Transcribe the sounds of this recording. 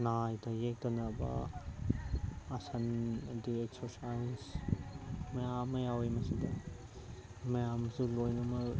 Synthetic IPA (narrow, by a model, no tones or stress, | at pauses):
najtɐjek̚d̪ɐnɐbɐ̰ | ɐsɐndieksɔɾsajns | mɐjamɐjawejmɐsid̪ɐ | mɐjamɐsulojnɐmɐ